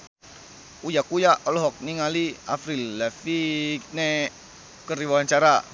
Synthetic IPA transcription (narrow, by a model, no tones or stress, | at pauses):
ujakujaʔɔlɔɦɔk̚niŋaliafɾilːɛfine | kəɾiwaaɲt͡ʃaɾa